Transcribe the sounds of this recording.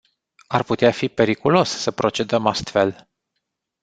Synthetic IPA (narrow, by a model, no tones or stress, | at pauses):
arput̪eafipe̞ɾikulo̞ssəpɾo̞t͡ʃe̞d̪əmast̪fe̞l